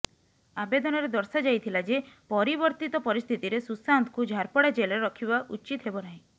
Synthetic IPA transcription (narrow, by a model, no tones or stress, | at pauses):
abed̪ɔnɔɾed̪ɔɾsad͡ʒajt̪ʰilad͡ʒepɔɾibɔɾt̪it̪ɔpɔɾist̪ʰit̪iɾesusant̪ʰkud͡ʒʱaɾpɔɽad͡ʒelɔɾeɾɔkʰibaʔut͡ʃit̪ɦebɔnaɦĩ